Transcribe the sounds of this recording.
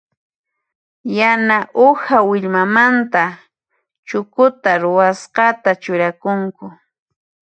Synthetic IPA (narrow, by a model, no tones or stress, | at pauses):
janaʔʊhawɪʎmamant̪a | t͡ʃʊkʊt̪aɾʊwasqɑt̪at͡ʃʊɾakʊŋkʊ